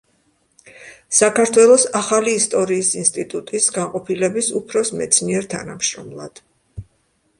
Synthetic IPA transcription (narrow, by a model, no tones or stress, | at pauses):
sakaɾt̪ʰwɛlˠɔsaχaliːst̪ʼɔɾiːsinst̪ʼit̪ʼut̪ʼisɡaɴqʼɔpʰilɛbisupʰɾɔsmɛt̪sʰniɛɾt̪ʰa̰namʃɾɔ̰mlˠa̰d̪̥